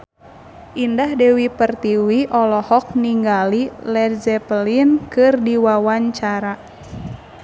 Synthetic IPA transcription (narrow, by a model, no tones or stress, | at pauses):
ʔindahdɛwipərt̪iwiʔɔlɔhɔk̚niŋɡalilɛrzɛpəlinkɨrdiwawaɲt͡ʃaɾa